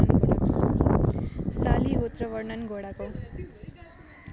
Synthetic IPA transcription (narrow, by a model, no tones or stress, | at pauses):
saliut̪rʌʋʌrnʌnɡʱoɽako